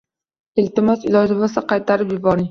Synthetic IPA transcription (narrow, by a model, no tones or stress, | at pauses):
ɪlt̪ɪmɒsɪlˠɒd͡ʒɪvasɪqʰɑjt̪ʰaɾɪpjʊbɒɾɪŋ